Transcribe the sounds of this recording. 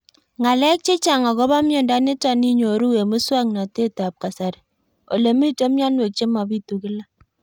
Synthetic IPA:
ŋa˨lɛ˦k̚t͡ʃe˦t͡ʃa˨ŋɔ˨ɣɔ˦ba˦mjɔ˨nda˦ne˦ta˦ni˦ɲo˨ɾu˦we˨mu˦swa˦ŋna˨te˦ta˨p̚ka˨sa˨ɾ | o̰˨le˨mi˦te˦mja˦nwe˨k̚t͡ʃe˦ma˨bi˦tu˨kɪ˦la˦

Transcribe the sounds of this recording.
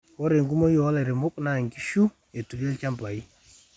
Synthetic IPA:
kɔ˦ɾe˨ŋɡu˦mɔ˦jɔ˨˦lɛ˨ɾe˨mʊ˦k̚na˦˨ŋɡi˦ʃu˦ | e˨tu˨ɾe˦lt͡ʃa˦mpa˨i˦

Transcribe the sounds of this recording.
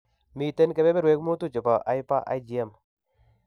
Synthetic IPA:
mi˨˦˨te˦nke˦be˦be˦ɾwe˦kmo˦tu˦˨t͡ʃo˨pa˨ʔa˨jpa˦ʔa̰˦d͡ʒi˨ɛ˦m

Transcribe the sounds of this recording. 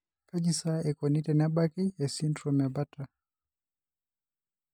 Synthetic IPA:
ka˦d͡ʒi˨sa˦ɛ˨kɔ˨ni˦tɛ˨na˦ba˦ki˦ɛ˨si˦ndɾɔ˨ma˨ba˦ta˨

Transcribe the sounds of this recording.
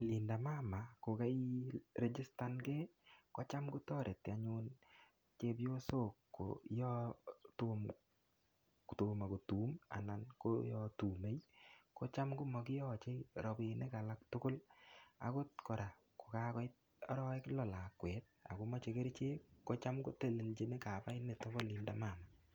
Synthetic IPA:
li˨nda˨ma˦ma˨ko˨ka˦jɾe˨d͡ʒi˦sta˦nke˦kɔ˦t͡ʃa˦mku˦tɔ˦ɾʔe˨ti˨a˨ɲʊ˦n | t͡ʃe˦pjo˦so˦˨kːo̰˨jɔ˦tom | to˨ma˨ko˨tu˨˦ma̰˨na˨nko˦jɔ˦tu˨me˦jko˦t͡ʃa˦mkʊ˦mɔ˨kɪ˦jɔ˦˨t͡ʃe˦jɾɔ˨bi˨ne˦ka˨la˦k̚tʊ˦kʊ˦la̰˨ko˦tkɔ˨ɾa˨ | ko̥˨ka˦kɔ˦j | ɔ˦ɾɔ˦ɪ˦klɔ˨la˨kwɛ˨˦t̚a̰˨ku˦mɔ˦t͡ʃe˨ke˦ɾt͡ʃe˦ko˦t͡ʃa˦mko˦te˦le˨lt͡ʃe˦ne˦ka˨pa˦ɪ˦ne˨to˦bɔ˦li˨mda˦ma˨ma˨

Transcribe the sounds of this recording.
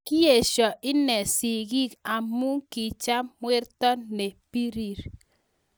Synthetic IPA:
ki˦e˨ʃɔ˨ʔɪ˦nɛ˨si˨ɡi˦ka˨mu˦ŋki˨t͡ʃa˦mmwe˦ɾtɔ˦ne˨pi˦ɾi˦ɾ

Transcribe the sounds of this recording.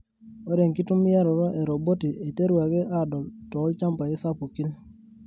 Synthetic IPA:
o˦ɾe˨ŋki˦tu˦m˦ja˦ɾɔ˨ɾɔ˦ʔɛ˨ɾo˨bo˦ti˨e˨te˦ɾu˨a˨ke˦ʔa˦dɔ˨ltɔ˨˦lt͡ʃa˦mpa˨je˦sa˦pu˨ki˦l

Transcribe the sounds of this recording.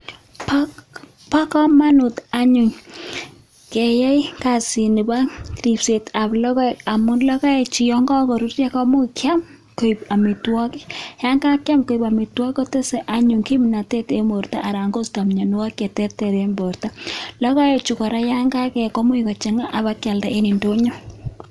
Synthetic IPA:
pa | pa˦kɔ˦ma˦nu˨ta˦ɲu˨ŋ | ke˨ja˦jka˨si˨ni˨ba˦ɾi˨pse˨ta˨plɔ˦kɔ˦a˨mʊ˦nlɔ˦ka˦e˨t͡ʃi˨jɔ˦ŋɡɔ˦kɔ˨ɾu˦rja˦kɔ˦mʊ˦kja˦m | ko˨i˨pa˨mi˨twɔ˦kɪ˦ja˦ŋɡa˦kja˦mko˦ipa˨mi˨twɔ˦kɔ˦te˦se˨ʔa˨ɲu˨ŋki˦mina˨te˦te˦mo˨rtaʔːɾa˨ŋɡo˦sta˨mɲɔ˨nʊ˦wa˦kje˨tɛ˦tɛ˨ðe˦mbo˨rta˦lɔ˦ka˦e˨t͡ʃu˨kɔ˨ɾa˦ja˦ŋɡa˦kɛ˨kɔ˦mu˦ikɔ˨t͡ʃe˨ŋa˦ʔa˨ba˦kja˨lda˨e˦ni˨ndo˦ɲo˦

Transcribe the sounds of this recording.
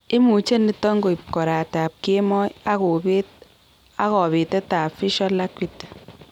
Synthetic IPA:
ɪ˦mu˨t͡ʃe˦ni˦tɔ˦ŋɡo˨i˨p̚kɔ˨ɾa˨ta˨p̚ke˦mɔ˦ja˦ko˨be˦t | a˦kɔ˨bi˨tɛ˦ta˨fi˦ʃɔ˦la˦kwi˦t

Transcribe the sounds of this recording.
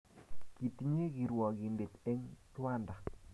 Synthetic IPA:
ki˨ti˦ɲe˦ki˨ɾwɔ˨ki˨nde˨te˦ŋtwa˦nda˨

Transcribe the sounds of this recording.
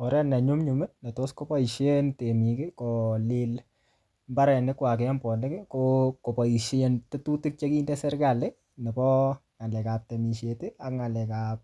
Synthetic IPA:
ɔ˨ɾɛ˦nɛ˨ɲʊ˦mɲu˨mɛ˦nɛ˨to˦sko˦pɔ˦i˨ʃe˦nte˨mi˨kɪ˦kɔlɪ˦l | mba˦ɾɛ˨nɪ˦kwa˨k̬e˨ɛ˦mpɔ˨nɪ˦kɪ˦koko˨pa˨i˨ʃentɪ˦tu˦tɪ˦k̚t͡ʃe˦ki˦ndɛ˦sɛ˦ɾɡa˨lɪ˦ | nɛ˨bɔ˦ŋa˨lɛ˨ka˨p̚tɛ˨mi˨ʃe˨tɪ˦a˦kŋa˨lɛ˨ka˨p̚

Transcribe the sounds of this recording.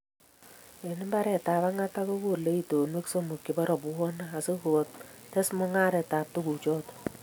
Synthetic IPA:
e˨nɪ˦mba˦ɾɛ˨ta˨βa˦ŋa˦ta˦ko˦ko˨le˦i˨to˨nwe˦kso˦mo˨kːɪ˨bɔ˦ɾɔ˨pwɔ˦naː˦˨so˦ku˨o˨t̚tɛ˦smɔ˦ŋa˦ɾɛ˨taː˨p̚to˦ku˨t͡ʃɔ˦t

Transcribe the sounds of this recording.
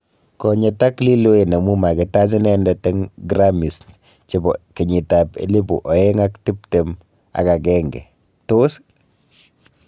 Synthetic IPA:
kɔ˨ɲɛ˨ta˦kli˦lo˦e˨ne˨mu˦ma˨ke˨ta˦z̬i˦nɛ˦ndɔ˨tɛ˦ŋɡɾa˦mi˨s | t͡ʃi˨bɔ˨ki˨ɲi˨ta˨pḛ˦li˦bṵ˨ʔɔ˨e˦ŋa˦kti˦pte˨m | a̰˨ka˨kɛ˦ŋɡɛ̰˨ | to˦s

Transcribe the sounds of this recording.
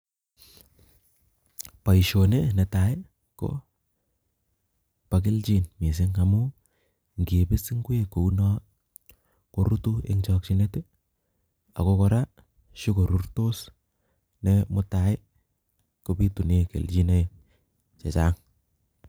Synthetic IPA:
pa˨iʃo˨ne˦ne˨ta˨ɪ˦ | ko̰˦ | pa˨ke˦lt͡ʃi˦nmi˨s̬ɪ˦ŋa˨mu˦ | ŋɡi˨pe˦sɪ˦ŋɡwe˦ko˨u˦nɔ˦ | ko˦ɾu˦tu˦ḛ˦ŋt͡ʃɔ˦k̚t͡ʃi˦ne˦te˦ | a̰˨ko˦kɔ˧ɾa˦ | ʃu˦ko˨ɾu˦rto˦s | nemʊ˦ta˨ɪ˦ | kopi˦tu˨ne˦kḛ˨lt͡ʃi˦na˦ | t͡ʃe˨t͡ʃa˦ŋ

